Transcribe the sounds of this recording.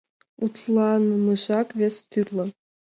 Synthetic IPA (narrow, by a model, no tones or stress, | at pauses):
ut̪lˠɑnɤmɯʑɑkʋʲest̪ʰyrlʲɤ̆